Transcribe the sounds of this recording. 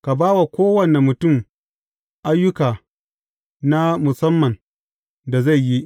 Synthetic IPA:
ka˨baː˦wa˨kʷoː˦wɐ˨ne˨mʊ˨tʊ˦˨m | ʔa˦jːʊ˦kaː˨ | na˦mʊ˨sɐ˦mːɐ˨n | da˨za˦˨jji˦ʔ

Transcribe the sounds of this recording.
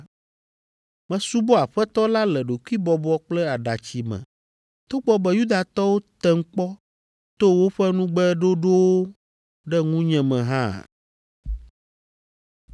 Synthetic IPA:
mɛ̃˨su˦bo˦a˨ɸɛ˦t̪ɔ˦la˦lɛ˨ɖo˨ku˦i˦bɔ˨bɔ˦k͡plɛ˦a˨ɖa˨t͡ɕi˨mɛ̰̃˨ | t̪o˦ɡ͡bɔ˦bɛ˦ju˦d̪a˨t̪ɔ˦wo˦t̪ɛ˦ŋ̩˦k͡pɔ˦ | t̪o˦wo˦ɸɛ˦nũ˦ɡ͡bɛ˦ɖo˦ɖo˦wo˦ | ɖɛ˦ŋũ˦ɲɛ̃˨mɛ̃˨ɦã˦˨

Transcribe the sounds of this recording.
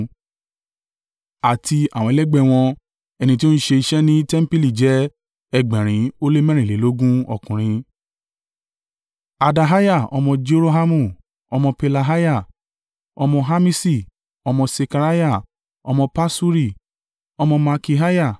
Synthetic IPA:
a˨ti˧a˨w̃ɔ̃˨˧˦lɛ˦ɡ͡bɛ˦˨w̃ɔ̃˧ | ɛ˧nĩ˧ti˦o˦n̩˦ʃe˧i˧ʃɛ˦nĩ˦tɛ˦m̩˦pi˦li˦˨d͡ʒɛ˨˦ | ɛ˧˨ɡ͡bɛ̃˨ɾ̃ĩ˨˦o˦le˦mɛ̃˦ɾĩ˨le˨˦lo˦ɡũ˦ɔ̰˨kũ˨ɾ̃ĩ˧ | a˨da˧ɦa˦ja˦˨ɔ̰˧mɔ̃˧d͡ʒe˦ɾo˦ɦa˦mũ˦˨ | ɔ˧mɔ̃˧pe˧la˧ɦa˦ja˦˨ | ɔ˧mɔ̃˧ɦa˦mĩ˦si˦˨ | ɔ˧mɔ̃˧se˧ka˧ɾa˦ja˦˨ | ɔ˧mɔ̃˧pa˦su˦ɾi˦˨ | ɔ˧mɔ̃˧ma˧ki˧ɦa˦ja˦˨

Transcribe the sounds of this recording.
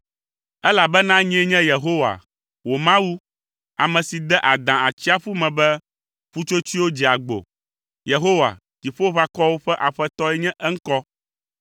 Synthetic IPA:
ɛ˦la˨bɛ˦nã˦ɲ˦ɛ˦ɲɛ̃˦je˨ɦo˦wa̰˨ | wo˨mã˦wu˦ | a˨mɛ̃˨si˨d̪ɛ˦ʔa˨d̪ã˨a˨t͡ɕi˦a˦ɸu˦mɛ̃˨bɛ˦ | ɸu˦t͡ʃo˦t͡ɕi˦wo˦d͡ʑi˨a˨ɡ͡bo̰˨ | je˨ɦo˦wa̰˨ | t̪i˨ɸo˦βa˦kɔ˦wo˦ɸɛ˦ʔa˨ɸɛ˦t̪ɔ˦ɛ˦ɲɛ̃˦ʔɛ˦ŋ̩˦kɔ˦

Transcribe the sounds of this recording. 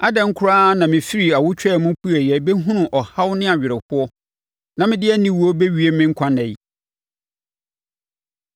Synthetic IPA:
a˦dɛ̃˨ŋ̩˦kʰʊ˦ɾaː˦nã˨mɪ̃˨fi˦ɾi˨a˨wʊ˦t͡ɕᶣɛ˦˨mʊ̃˦pʰu˦ɛ˨jɛ˨be˦ɦũ˦nʊ̃˨ʔɔ˨ha˦wnɪ̃˦a˨ɥɪ˨ɾɪ˨hʊ˦ɔ˦ | nã˨mɪ̃˦dɪ˦ɛ˦nĩ˨wu˨o˦be˦ɥi˦e˦mɪ̃˦ŋ̩˦kʷʰã˦nɛ̃˨i˨

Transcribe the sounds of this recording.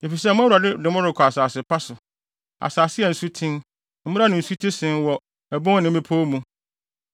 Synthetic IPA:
e˨fi˨s̬ɛ˦˨mʊ̃˦a˦wu˨ɾa˨dɪ˦dɪ˨mʊ̃˦ɾɪ˨kʰɔ˨a˨saː˨sɪ˨pa˦sʊ˨ | a̰˨saː˨sɪ˦ɛ˨n̩˨su˦tʰɪ̃˦n | m̩˦m̩̃˦a˦nʊ̃˨n̩˨su˦tʰĩ˦sɪ̃˦nwɔ˨ | ɛ˨bʊ̃˦ŋ˦nɪ̃˨˦mɪ̃˦pʰo˦mũ˨

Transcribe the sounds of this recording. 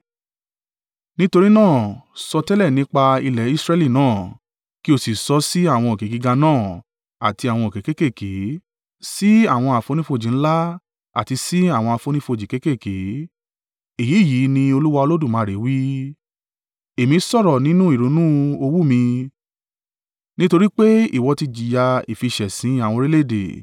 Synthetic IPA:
nĩ˦to˧ɾi˦nãː˦˨sɔ˧tɛ˦lɛ˦˨nĩ˦k͡pa˧i˧lɛ˨˦i˦sɾɛ˧˦li˦˨nãː˦˨ | ki˦o˧si˨sɔ˨˧˦si˦a˦˨w̃ɔ̃˧o˨ke˨˦ɡi˨˧ɡa˧nãː˦˨ | a̰˨ti˧a˨w̃ɔ̃˧o˨ke˨˦ke˦ke˦˨ke˨˦ | si˦a˦˨w̃ɔ̃˧a˨fo˧˦nĩ˦fo˧˨d͡ʒĩ˨n̩˦la˦ | a̰˦˨ti˧si˦a˦˨w̃ɔ̃˧a˧˨fo˧˦nĩ˦fo˧˨d͡ʒi˨ke˦ke˦˨ke˨˦ | e˨ji˨˦˨ji˨˦nĩ˧o˧lu˦wa˧o˧lo˦du˦˨mãː˨˧˦ɾe˨˦wi˦ | e˨mĩ˧˦sɔ˦˨ɾɔ˨nĩ˨˦nũ˦i˦˨ɾo˨˦nũ˦o˧wu˦mĩ˧ | nĩ˦to˧ɾi˦k͡pe˦ḭ˦˨wɔ˧ti˧d͡ʒi˨ja˧i˨fi˧ʃɛ˨sĩ˨˦a˦˨wɔ̃˧ɾe˦le˦˨dḛ˨

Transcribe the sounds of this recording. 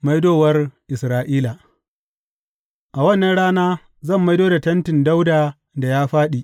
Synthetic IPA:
ma˦jdoː˦wɐ˦rʔɪ˨sɾaː˦ʔiː˦la˨ | ʔa˨wɐ˦˨nːɐ˦nɽaː˦naː˦ | zɐ˦˨mːa˦jdoː˦da˨tɐ˦ntɪ˨nda˦wdaː˨ | da˨jaː˦ɸaː˦ɗi˨ʔ

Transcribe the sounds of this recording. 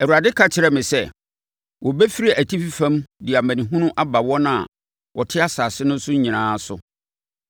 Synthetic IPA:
ɛ˨wu˨ɾa˨dɪ˦kʰa˨t͡ɕʰɪ˨ɾɛ˦mɪ̃˨sɛ˦˨ | wɔ˨bɛ˦fi˦ɾa˨æ˨tʰi˦fi˦fã˦mdɪ˨a˨mæ̃˨nĩ˨ɦʊ̃˦nʊ̃˦ʔa˦ba˨wɔ˦nã˨a̰˨ | wɔ˨tʰɪ˦a˦saː˨sɪ˦nʊ̃˦n˦sʊ˦ɲĩ˨nãː˦sʊ̰˨

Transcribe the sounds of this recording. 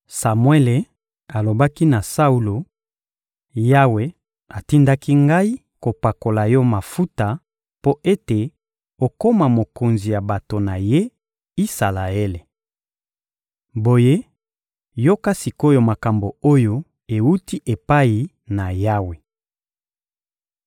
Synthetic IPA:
sa˨mwe˦le˨ | a˨lo˨ba˦ki˦na˨sa˦u˨lo˨ | ja˦we˨ | a˨ti˦nda˦ki˦ŋɡa˦i˦ | ko˨pa˨ko˨la˨jɔ˦ma˨fu˦ta˨ | po˦ʔe˦te˨ | o˨ko˦ma˨mo˨ko˨nzi˨ja˨ba˨to˨na˨je˦ | i˦sa˨la˨e˦le˨ | bo˨je˦ | jo˦ka˦si˨ko˦jo˨ma˨ka˨mbo˨o˦jo˦ | e˨wu˦ti˦ʔe˨pa˦i˨ | na˨ja˦we˨

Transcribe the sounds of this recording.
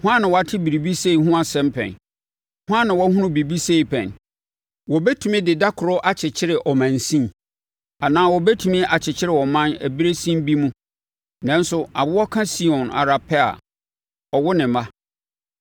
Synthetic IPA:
hʊ˦ã˦nɪ̃˨wɔ˨a˦tʰɪ˦bi˨ɾi˨bi˦se˦i˨hʊ̃˦a˨sɛ̃˦mpʰɛ̰̃˨n | hʊ˦ã˦nːɪ̃˨wɔ˦hɦũ˦nʊ̃˦bi˨bi˦se˦i˨pʰɛ̰̃˨n | wɔ˨bɛ˦tʰu˨mĩ˦dɪ˨da˦kʰʊ˨ɾʊ˦ʔa˨t͡ɕʰɪ˨t͡ɕʰɪ˦ɾɪ˨ʔɔ˨mã˨n˨sĩ˦m˨ | a˨nãː˦wɔ˨bɛ˦tʰu˨mɪ̃˦ʔa˨t͡ɕʰɪ˨t͡ɕʰɪ˦ɾɪ˨ɔ˨mã˦næ˨bi˦ɾe˦sĩ˦m˦bi˦mũ˦ | nã˦n˦sʊ˦a˨bʊ˦wɔ˦kʰã˦si˦ɔ̃˨na̰˨ɾa˨pʰɛ˦a̰˨ | ɔ˨wʊ˦nɪ̃˨mã˦

